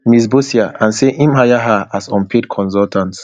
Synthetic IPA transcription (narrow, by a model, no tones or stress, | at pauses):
miz̬bosiaãnseʔĩmhajaɦaasɔ̃npʰed̚kʰɔ̃nsɔltʰãnts